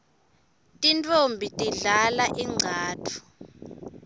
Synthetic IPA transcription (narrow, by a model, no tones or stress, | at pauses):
tʼintʼombʱitʼiɮalaʔiŋ͡ǀʱaːtʰu̥